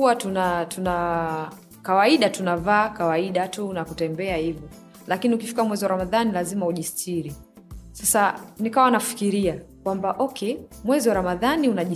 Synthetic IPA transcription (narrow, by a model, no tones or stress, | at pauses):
uatunatuna | kawaiɗatunavaːkawaiɗatunakutɛmbɛahivɔ | lakiniukifi̥kamwɛziwaɾamaðanilazimauʄistʰiɾi | sasanikawanafi̥kiɾiakwambaʔɔkʰɛmwɛziwaɾamaðaniunaʄi